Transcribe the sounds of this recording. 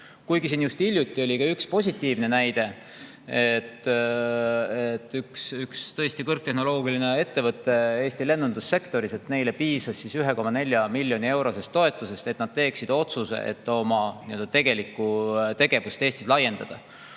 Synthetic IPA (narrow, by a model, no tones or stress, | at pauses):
kujɡisiːnjust̪ilʲjut̪ːˑio̞lʲikɑykspo̞sʲit̪ːˑiːvne̞næjd̪̥e̞ | et̪ː | et̪ːyksykst̪ɤ̞est̪ikɤrk̚t̪e̞ɦno̞lo̞ːɡ̥iline̞e̞t̪ːe̞vɤt̪ːˑe̞e̞ːsʲt̪ile̞nːund̪usːe̞kt̪o̞ɾise̞t̪ne̞jle̞piːsɑsːisyɦe̞ko̞mːɑne̞lʲjɑmilʲːjo̞nie̞wɾo̞se̞st̪ːo̞e̞t̪ːˑuse̞st̪e̞t̪nɑd̪̥̚t̪e̞ːksid̪̥o̞t̪suse̞̰ʔḛt̪ːo̞mɑniø̞ld̪ɑt̪e̞ɡe̞likːˑut̪e̞ɡ̥e̞vust̪e̞ːst̪islɑje̞nd̪ɑd̪̥ɑ